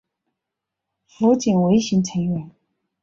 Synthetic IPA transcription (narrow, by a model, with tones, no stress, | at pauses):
fu˧˥t͡ɕi˨˩nwe˧˥ɪɕi˧˥ŋʈ͡ʂʰə˧˥ŋɥɛ˧˥n